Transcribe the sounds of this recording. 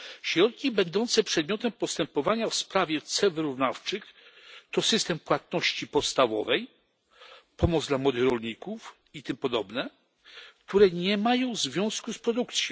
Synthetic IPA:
ɕɾɔt̪̚kʲibɛnd̪ɔnt̪sɛpʂɛd̪mʲjɔt̪ɛmpɔst̪ɛmpɔvaɲafspɾavʲjɛt̪sɛvɘɾuvnaft͡ʂɘxt̪ɔsɘst̪ɛmpwat̪̚nɔɕt͡ɕipɔt̪st̪avɔ̰vɛj | pɔmɔd̪zd̪lamwɔd̪ɘxɾɔlɲikuf | it̪ɘmpɔd̪ɔbnɛ | kt̪uɾɛɲɛmajɔ̃w̃zvʲjɔ̃w̃skuspɾɔd̪ukt̪sʲjɔ̃

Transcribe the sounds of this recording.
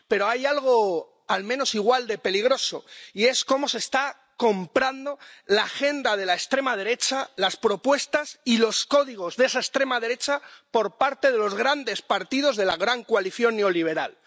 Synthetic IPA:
pe̞ɾo̞ajalɣ̞o̞ | almẽno̞siɣ̞wald̪e̞pe̞liɣ̞ɾo̞so̞̰ie̞sko̞mo̞se̞st̪a | ko̞mpɾand̪o̞laxe̞nd̪að̞e̞laest̪ɾe̞mað̞e̞ɾe̞t͡ʃalaspɾo̞pwe̞st̪asilo̞sko̞ðiɣ̞o̞zðe̞saest̪ɾe̞mað̞e̞ɾe̞t͡ʃapo̞ɾpaɾt̪e̞ðe̞lo̞zɣɾand̪espaɾt̪ið̞o̞zðe̞laɣɾaŋkoaliθjo̞nːe̞o̞liβ̞e̞ɾa̰l

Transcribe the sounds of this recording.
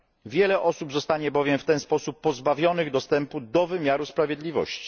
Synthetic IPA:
vʲjɛlɛʔɔsubzɔst̪aɲɛbɔvʲjɛmft̪ɛnspɔsupːɔzbavʲjɔnɘɣd̪ɔst̪ɛmpud̪ɔvɘmʲjaɾuspɾavʲjɛd̪lʲivɔ̰ɕt͡ɕi̥

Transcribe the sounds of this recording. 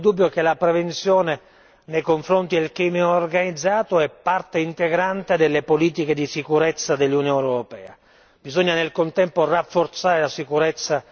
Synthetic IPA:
d̪ubːjokelapɾevent̪sjɔːne | nejkoɱfɾont̪id̪elkɾiːmioːrɡanid̪zːaːt̪oɛpːart̪eint̪eɡɾant̪ed̪elːepoliːt̪iked̪isikuɾet̪sːad̪elːunijonewɾopɛːa̰ | b̥izoɲːanelkont̪ɛmporafːort̪saːɾelasikuɾɛt̪sːa

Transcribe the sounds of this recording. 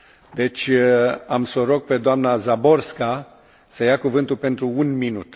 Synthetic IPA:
d̪e̞t͡ʃʲamso̞ɾo̞ɡ̚pe̞d̪oamnazabo̞rska | səjakuvɨnt̪ulpe̞nt̪ɾuunminut̪

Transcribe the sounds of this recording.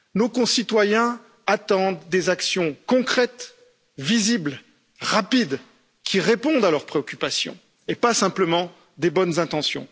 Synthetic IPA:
nokɔ̃sit̪wajɛ̃ | at̪ɑ̃d̪ːezaksjɔ̃kɔ̃kχɛt̪ | vizibl | ʁapid̪ | kʲʰiʁepɔ̃d̪alœʁpχeɔkʲypasjɔ̰̃ | epasɛ̃pləmɑ̃ | d̪ebɔnzɛ̃t̪ɑ̃sjɔ̃

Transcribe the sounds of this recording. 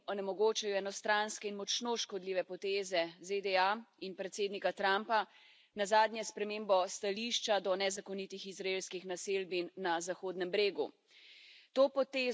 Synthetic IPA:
ɔnɛmɔɡoːt͡ʃajɔɛnɔst̪ɾanskɛinmɔt͡ʃnoʃkɔd̪liːʋɛpɔt̪eːzɛzed̪ɛainpɾɛt̪seːd̪nikat̪ɾampa | nazaːd̪njɛspɾɛmembɔst̪aliʃt͡ʃad̪ɔnɛzakɔnit̪ixizɾaelskixnaselbinːazaxoːd̪nɛmbɾeːɡu | t̪oːpɔt̪eː

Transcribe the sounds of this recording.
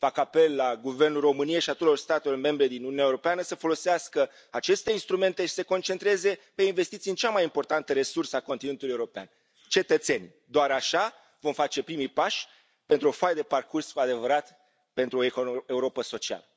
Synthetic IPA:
fakape̞lːaɡuvernulro̞mɨnieʃiat̪ot̪eorst̪at̪elo̞rme̞mbɾe̞d̪inununaeuɾo̞peanəsəfo̞lo̞seaskə | at͡ʃe̞st̪e̞inst̪ɾume̞nt̪eʃi̥se̞ko̞nt͡ʃe̞nt̪ɾeze̞pe̞inve̞st̪it̪siɨnt͡ʃamajimpo̞rt̪ant̪əɾe̞sursəakonine̞nt̪uluje̞uɾopea̰n | t͡ʃe̞t̪ət̪senʲ | d̪oaɾaʃa | vo̞mfat͡ʃe̞pɾimujpaʃʲ | pe̞nt̪ɾuo̞fajd̪e̞parkurskuad̪e̞vəɾat̪ | pe̞nt̪ɾuoekoe̞uɾo̞pəso̞t͡ʃia̰lə

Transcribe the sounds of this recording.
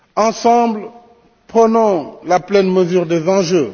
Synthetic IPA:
ɑ̃sɑ̃bl | pχənɔ̃laplɛnməzyʁd̪ezɑ̃ʒø

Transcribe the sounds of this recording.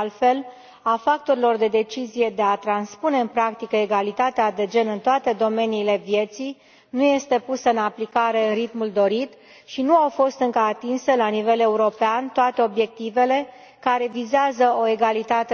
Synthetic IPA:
lfe̞l | afak̚t̪o̞ɾilo̞rd̪e̞d̪e̞t͡ʃizije̞d̪e̞at̪ɾanspune̞ɨnpɾakt̪ikəeɡalit̪at̪ead̪e̞d͡ʒe̞nɨnt̪oat̪e̞d̪o̞me̞niːle̞vje̞t̪sij | nuje̞st̪e̞pusəɨnaplikaɾe̞ɨnrit̪muld̪o̞ɾit̪ | ʃinuawfo̞st̪ɨŋkəat̪inse̞lanive̞le̞uɾo̞peant̪oat̪e̞o̞bje̞k̚t̪ive̞le̞ | kaɾe̞vizeazəo̞eɡalit̪at̪e

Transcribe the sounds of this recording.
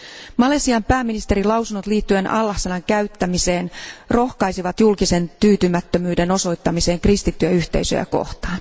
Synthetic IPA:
mɑlesiɑmpæːmːinist̪eɾilɑwsunot̪liːt̪ːyenʔɑlːɑhsenɑŋkæɥt̪ːæmise̞ːnro̞hkɑjsiʋɑt̪julkise̞nt̪yːt̪ymæt̪ːømyːde̞no̞so̞jt̪ːɑmise̞ːŋkrist̪it̪ːyæyçt̪ḛisø̰jæ̰ko̞̰ht̪ɑːn

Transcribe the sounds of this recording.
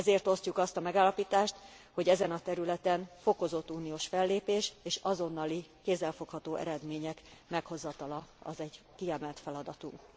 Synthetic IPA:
ɛzeːrt̪o̞scukɒst̪ɒmɛɡaːlːɒpiːt̪aːʃt̪ | ho̞ɟɛzɛnɒt̪ɛɾylɛt̪ɛnfo̞ko̞zo̞t̪ːuːnijoːʃfɛlːeːpeːʃeːʃɒzo̞nːɒlikeːzːɛlfokhɒt̪oːʔɛ̰ɾɛd̪meːɲɛkmɛkho̞zɒt̪ɒlɒɒ̰zɛɟ | kiɛmɛlt̪fɛlɒd̪ɒt̪uŋk

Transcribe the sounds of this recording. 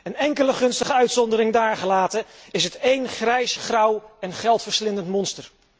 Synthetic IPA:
ənɛŋkələχɵnstəχəœɥtsɔndəɾɪŋdaːɹχəlaːtəɪsɦətejnχrɛjsχrʌwɛnχɛlˠtfəɹslɪnəntmɔnstəɹ

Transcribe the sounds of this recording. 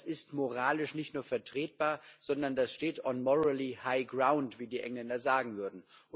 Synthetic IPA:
sɪstmoʁaːlɪʃnɪçtnuːɐfɛɐtʁ̥eːt̚b̥aːɐz̥ɔndɐndasʃteːtɔnmɔʁalihaɪɡʁaʊntv̥iːdiːʔɛŋlɛndɐzaːɡŋ̩vʏɐdn̩ʔʊ

